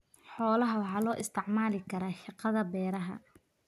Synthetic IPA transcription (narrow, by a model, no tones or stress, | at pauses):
ħɔːlɐɦɐwɑħɑːlɔːʔɪst̪ʰɪʕmaːlɪkʰɐɾaːʃɪqɑðɐbɛːɾɐɦɐ̰